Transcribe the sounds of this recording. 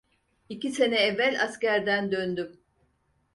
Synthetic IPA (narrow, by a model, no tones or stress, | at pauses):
icise̞nɛɛvːælʲascæɾd̪ænd̪ønd̪ym